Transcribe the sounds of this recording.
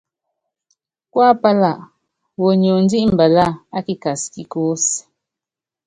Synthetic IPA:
kwa˦pa˦la˦˨ʔ | wo˨ɲo˨n̩˦di˦ʔm̩˨bə˨la˦˨a˦ki˦ka˨ski˨ko˦s

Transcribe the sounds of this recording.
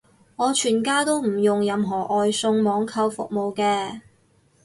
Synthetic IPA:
ŋɔː˨˧t͡ʃʰyː˨˩nkaː˥t̪o˥wm̩˨˩jʊ˨ŋjɐ˧mɦɔː˨˩ʔɔː˨˧jsʊ˧ŋmɔː˨˧ŋkʰɐ˧wfʊ̰˨k̚mo˨wkɛː˧

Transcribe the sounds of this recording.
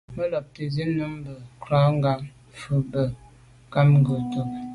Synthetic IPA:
mə˦lɔ˨p̚tə˨zi˦nu˦m˦bə˨kɾa˦ŋ˦ɡa˦m | fə˨bə˨ | ka˦m˦ɡə˨to˨p̚

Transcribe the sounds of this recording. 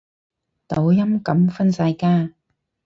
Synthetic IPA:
t̪o˨˥wjɐ˥mkɐ˨˥mfɐ˥nsɐ˧jkaː˥

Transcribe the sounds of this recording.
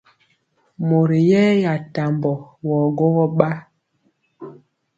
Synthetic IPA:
mo˨ɾi˨jɛ˦ja˨ta˨mbɔ˨wɔ˨ɡo˦ɣɔ˦ɓa˦

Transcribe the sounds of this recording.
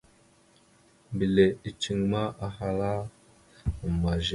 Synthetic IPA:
bi˨le˨i˨t͡ʃi˦ŋma˦a˨ɦa˨la˦˨ | ma˨ʒe˨

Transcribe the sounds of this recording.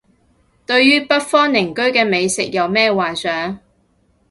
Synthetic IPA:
t̪ɵ˧ɥjyː˥pɐ˥t̚fɔː˥ŋnɪ˨˩ŋkɵ˥ɥkɛː˧me˨˧jsɪ˨k̚jɐ˨˧wmɛː˥waː˨nsœː˨˥ŋ

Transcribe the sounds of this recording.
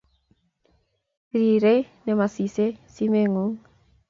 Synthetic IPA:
ɾi˨ɾe˦nɛ˨ma˨si˨se˦si˦meŋuŋ

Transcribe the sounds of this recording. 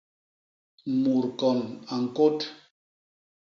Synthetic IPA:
mu˨ɾkɔ˨na˨ŋ̩˨ko˦t

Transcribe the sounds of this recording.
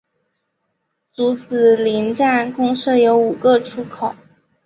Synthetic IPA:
t͡su˧˥t͡sɹ̩˨˩li˧˥nʈ͡ʂa˥˩nkʊ˥ŋʂɤ˥˩jo˧˥ʊu˨˩ɡə˥˧ʈ͡ʂʰu˥kʰo˨˩˦

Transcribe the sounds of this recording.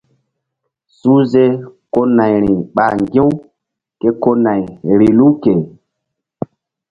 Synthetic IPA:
su˦ze˦ko˦na˨jɾĩ˨ɓa˨ŋɡĩ˦w | ke˦ko˦na˨jɾi˨lu˦ke˨

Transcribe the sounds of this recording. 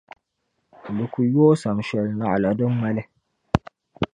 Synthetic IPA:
lɨ˨ku˨joː˦sa˨mʃɛ˨lna˦ʔla˨dɨ˦mma˦lɪ˦

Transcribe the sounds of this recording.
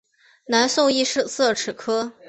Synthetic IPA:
na˧˥nsʊ˥˧ŋi˥˧ʂɻ̩˥˧sɤ˥˩ʈ͡ʂʰɻ̩˨˩kʰɤ˥

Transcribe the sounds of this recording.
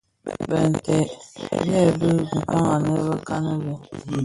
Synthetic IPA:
bə̰˨n̩˨tɛ̰˨jɛ˦˨bə˦˨k̩˨kɔ˦ŋa˨nə˦bə˦ka˦nə˦bə˨

